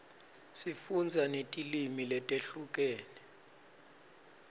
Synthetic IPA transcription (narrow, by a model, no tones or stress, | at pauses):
sifund͡zʱanetʼilimilɛtʼeɬukʼɛːnɛ